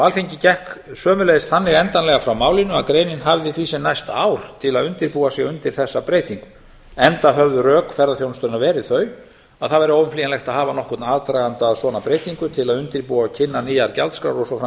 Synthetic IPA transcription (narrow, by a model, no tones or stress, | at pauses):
vaːlfiɲcɪcɛhksœːmʏlɛjðɪst̪θanːɪɣɛnt̪anlɛɣafɾawmaːwlɪnʏaðkɾeːjnɪnɦavðɪθiːsɛnajst̪a̰ːwɾ̥t̪ʰɪlaðʏnt̪ɪɾpuːasjɛɣʏnt̪ɪɾ̥θɛsːapɾeːjt̪iŋkʏ̥ | ɛnt̪aɦœvðʏrœːkfɛɾðaθjownst̪œɾnavɛːɾɪðθœɥ | aðθaðvɛɾɪoːwvʏnfliːjanlɛxt̪aðhaːvanɔhkʏt̪naðt̪ɾajɣant̪aðsɔːnapɾeːjt̪iŋkʏt̪ʰɪlaðʏnt̪ɪɾpuːacʰɪnːaniːjaɾca̰lt̪skɾa̰wɾɔsɔfɾa